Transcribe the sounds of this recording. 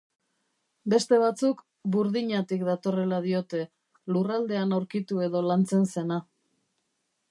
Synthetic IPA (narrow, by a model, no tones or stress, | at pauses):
be̞st̪e̞β̞at͡suk | buɾðiɲat̪ikd̪at̪o̞re̞laðio̞t̪e̞ | lurald̪e̞anawɾkit̪ue̞ðo̞lant͡se̞nse̞na